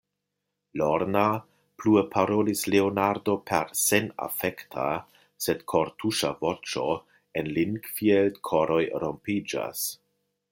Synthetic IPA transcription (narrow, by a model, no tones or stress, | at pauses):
loɾna | pluepʰaɾolisleonaɾdopʰḛɾsena̰fektʰa̰ | sedkʰo̞ɾtʰuʃavot͡ʃo̞ | enliŋɡfieldkʰoɾojɾompid͡ʒa̰s